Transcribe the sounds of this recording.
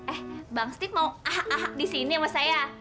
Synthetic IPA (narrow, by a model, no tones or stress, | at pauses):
ʔɛhbaŋst̪ɪk̚mauaɦaʔaɦak̚disiniamasaja